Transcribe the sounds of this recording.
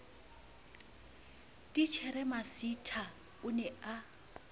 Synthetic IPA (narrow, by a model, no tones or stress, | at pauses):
dʼit͡ʃʰɛɾɛmasitʰa | ʊnɛa